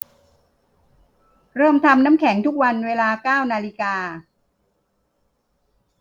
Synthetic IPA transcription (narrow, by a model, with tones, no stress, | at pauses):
ɾɤː˥˩mt̪ʰa˧mnaː˦˥mkʰɛ˩˦ŋt̪ʰu˦˥k̚wa˧nweː˧laː˧kaː˥˩wnaː˧li˧kaː˧